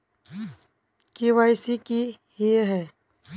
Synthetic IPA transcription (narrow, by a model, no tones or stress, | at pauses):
kiwaɪsikihiɦɛː